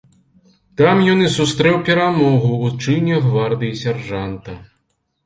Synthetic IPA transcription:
t̪amjɔnɨsust̪ɾɛwpʲɛɾamɔɣuːt͡ʂɨnʲɐɣvard̪ɨjisʲarʐant̪ɐ

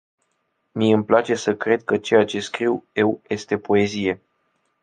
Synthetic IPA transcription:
miɨmplat͡ʃe̞səkɾe̞d̪̚kət͡ʃe̞jat͡ʃe̞skɾiwje̞wje̞st̪e̞po̞e̞zije̞

